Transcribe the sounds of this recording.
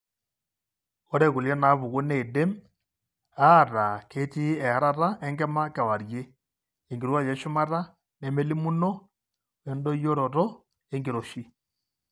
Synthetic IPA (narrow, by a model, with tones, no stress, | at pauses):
o˦ɾɛ˨ɣu˨lja˦na˨˦βu˨ɣo˦ne˨de˦m | a˦˨ɾa˨kʰe˦ti˦ɛ˨a˨ɾa˦ɾa˦ʔɛ˦ŋɡɛ˦ma˦ka˨wa˨ɾje˦ | e˨ŋɡe˨ɾwa˦jɛ˨ʃo˦ma˦ɾa˦ | ne˨me˦li˦mu˦nɔ˦ | e˨ndo˦i˦jo˦ɾɔ˨ɾɔ˦ | e˦ŋɡe˨ɾo˨ʃi˦